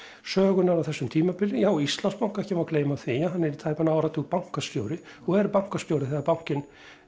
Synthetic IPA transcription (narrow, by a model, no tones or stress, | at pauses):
sœːɣʏnaɾavθɛsːʏmt̪ʰiːmapɪlːɪjaːwist̪lanspawŋ̥kɛhcɪvaɾkʰleːjmawθiːaɦanːɛɾit̪ʰaːjpanaːwɾat̪upawŋ̥kast̪joːwɾɪ | ɔɣɛɾpawŋ̥kast̪joːwɾɪθɛɣaɾpawŋ̥cɪn